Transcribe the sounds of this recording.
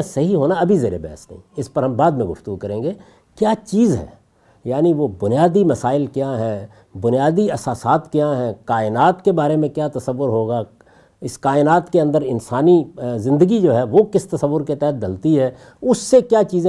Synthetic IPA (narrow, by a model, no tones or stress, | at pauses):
sɐɦiɦoːnaɐbʱizeːɾḛbɛ̰ːəsnɐ̰ɦĩɪspɐɾɦɐmbaːd̪mẽɡʊft̪əɡukɐɾẽːŋɡeː | kjaːt͡ʃiːzɦɛ̰̃ː | jaːniʋobʊnijaːd̪imɐsaːɪlkjãɦɛ̃ː | bʊnijaːd̪iɐsaːsaːt̪kjãɦɛ̃kaːɪnaːt̪kebaːɾemẽkjaːt̪ɐsəʋːʊɾɦoːɡa | ɪskaːɪnaːt̪keɐ̃nd̪əɾɪnsaːnizɪ̃nd̪əɡid͡ʒoːɦɛʋokɪst̪ɐsəʋːʊɾket̪ɛɦt̪̚d̪ɐlt̪iɦɛː | ʊsːekjaːt͡ʃiːzẽ